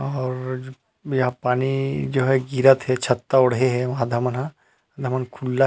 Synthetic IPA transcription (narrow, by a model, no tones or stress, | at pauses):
ɔːɾ | jɐɦãpaːnid͡ʒoːɦɛɡiɾət̪ɦɛt͡ʃʰɐt̪ːaɔɽɦeɦɛʋɐɦãd̪ʱəmənɦã | d̪ʱɐmənkʰulːa